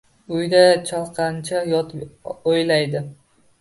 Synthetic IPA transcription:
ʊjd̪at͡ʃʰɑlˠqʰɑnt͡ʃʰajɒt̪ojlajd̪ɪ

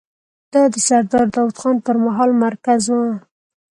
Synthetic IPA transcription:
d̪̥ɑd̪əsaɾd̪ɑɾd̪ɑwt̪xɑnpəɾmaɦɑlmaɾkazwa

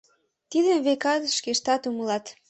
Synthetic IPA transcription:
t̪id̪ənβekɑt̪ʃkeʃt̪ɑt̪uməlɑt̪

